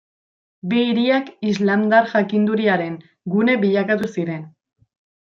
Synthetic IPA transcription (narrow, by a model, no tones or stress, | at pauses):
biːɾiakizlamd̪aɾʝakind̪uɾiaɾe̞ŋ | ɡune̞βiʎakat̪usiɾe̞n